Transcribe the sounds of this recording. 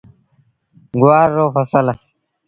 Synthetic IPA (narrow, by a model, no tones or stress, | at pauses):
ɡwaːɾːoːfɐsəl